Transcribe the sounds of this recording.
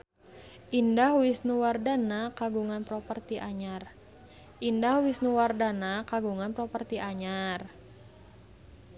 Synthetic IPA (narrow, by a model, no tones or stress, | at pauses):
ʔindahwɪsnuwardanakaɡuŋanpɾɔpərt̪iʔaɲar | ʔindahwisnuwardanakaɡuŋanpɾɔpərt̪iʔaɲar